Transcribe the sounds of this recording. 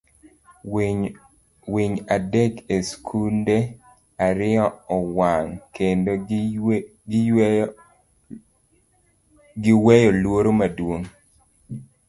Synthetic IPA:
wiɲadɛkeskʰunde | aɾɪɔɔwaŋkendo | ɡɪwɛjɔlwoɾomadwoŋ

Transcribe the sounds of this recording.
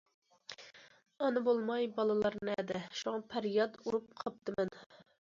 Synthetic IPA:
ɑnɨbolˠmɑjbɑlˠɨlˠɑɾnɨɛd̪ɪʃuŋɑpʰæɾjɑd̪uɾup̚qʰɑp̚t̪ʰɨmɛn

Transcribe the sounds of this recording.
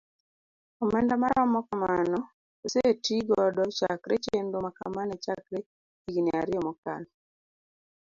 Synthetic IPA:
ɔmɛndamaɾamɔkamanɔ | osetiɡɔdɔt͡ʃa̰kɾet͡ʃendomaka̰manɛt͡ʃakɾe | iɡinɛaɾɪɔmɔka̰n

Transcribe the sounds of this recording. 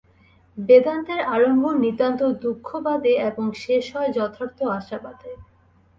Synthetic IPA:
bed̪ant̪eɾaɾombʱonid̪ant̪od̪ukʰːobad̪eeboŋʃeʃɔed͡ʑɔt̪ʰaɾt̪oaʃabad̪e

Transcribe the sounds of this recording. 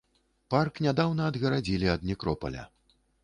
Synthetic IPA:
parknʲad̪awnɐːd̪ɣɐɾad͡zʲilʲiɐd̪nʲikɾɔpɐ̰lʲɐ̰

